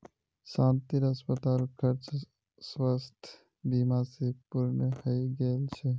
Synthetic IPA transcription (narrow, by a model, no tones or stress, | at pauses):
ʃãːnt̪iɾəspət̪aːlkʰəɾt͡ʃ | swəst̪ʰ | biːmasepuɾnəhəjɡelt͡ʃʰe